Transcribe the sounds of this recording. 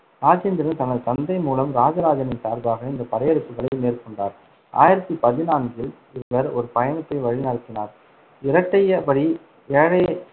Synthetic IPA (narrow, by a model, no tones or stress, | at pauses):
ɾaːd͡ʒeːnd̪ɪɾɐnt̪ɐnɐðɯt̪ɐnd̪ɐɪmuːlɐmɾaːd͡ʒɐɾaːd͡ʒɐnɪnsaːɾðaːɣɐɪnd̪ɐpɐɾɐjɐɽɯpːɯɣɐɭɐɪmeːrkɔɳɖaːɾ | ʔa̰ːjɪɾɐt̪ːɯpɐðɪnaːnɡɪl | ɪʋɯʋɐɾɔɾɯpɐjɐnɯt̪ːɐɪʋɐɻinɐɾɯt̪ːɪnaːɾ | ɪɾɐʈːɐjɐpɐɽi | ɛɻɐ